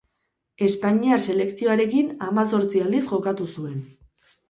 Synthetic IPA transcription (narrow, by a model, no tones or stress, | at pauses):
e̞spaɲiaɾse̞le̞ksio̞aɾe̞kinamaso̞ɾt͡siald̪isʝo̞kat̪usue̞n